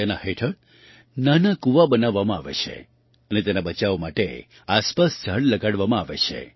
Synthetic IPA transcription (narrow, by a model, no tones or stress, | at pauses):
enaheʈʰəɾ | nanakuʋabənaʋːamãaʋḛt͡ʃʰḛ | ənet̪enabət͡ʃaʋmaʈe | aspasd͡ʒʱəɽləɡaɽʋamãaʋet͡ʃʰḛ